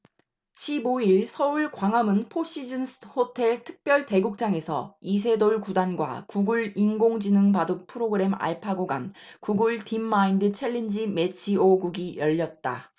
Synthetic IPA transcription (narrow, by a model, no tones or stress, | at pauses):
ɕʰiboiɭsʰʌuɭkwaŋamɯnpʰoɕ͈ʰid͡ʑɯnsɯhotʰe̞ɭtʰɯ̥k̚p͈jʌɭte̞ɡuk̚t͡ɕ͈aŋe̞sʰʌ̰is̬ʰe̞doɭkudanɡwa̰kuɡuɭinɡoŋd͡ʑinɯŋpadɯk̚pʰɯɾoɡɯɾe̞ma̰ɭpʰaɡoɡa̰nkuɡuɭtimːaindɯt͡ɕʰeɭːind͡ʑimet͡ɕʰioɡuɡijʌʎːʌt̚t͈a̰